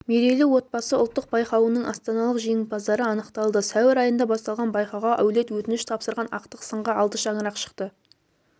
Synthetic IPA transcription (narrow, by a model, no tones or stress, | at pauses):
meɾelɪwo̞t̪̚bɑsəʊ̰lˠt̪ːəq̚b̥ɑjqɑwənəɴʔɑst̪ɑnɑlˠəqʒeɪt̪̚bɑzd̪ɑɾəɑnəqt̪ɑlˠd̪əsæwɪɾɑjənd̪ɑbɑst̪ɑlˠʁɑnbɑjqɑwʁɑʔæwle̞t̪wɵt̪ɪnɪʃt̪ʰɑpsəɾʁɑnʔɑqt̪əqsəɴʁɑɑlˠt̪əʃɑɴəɾɑqʃə̥qt̪ə